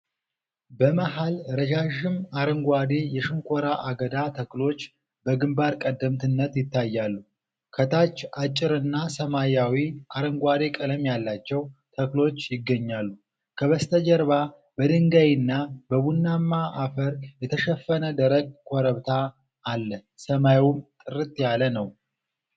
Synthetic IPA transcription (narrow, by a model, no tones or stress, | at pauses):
bəməɦalɾəd͡ʒaʒɪmaɾəŋɡʷwad̪ejɛʃɪŋkʷʰoɾaʔaɡəd̪at̪ʰəklo̞t͡ʃː | bəɡɨmbaɾkʼəd̪ːəmt̪ʰɨnːət̪jɪt̪ːajːalːu | kʰət̪ʰat͡ʃːat͡ʃʼːɪɾɨnːasəmajawiʔaɾəŋɡʷad̪e̞kʼɨləmjalːat͡ʃːɛwt̪ʰəklo̞t͡ʃːjɪɡːəɲːalːu | kʰəβəst̪ʰəd͡ʒəɾβa | bəd̪ɨŋɡajɪnːabəβunːamːaʔafəɾjɛt̪ʰəʃəfːənəd̪əɾəɡ̚kʰʷɔɾəβt̪ʰaː | lːəsəmajwumt̪ʼɨɾɨt̪jalənəw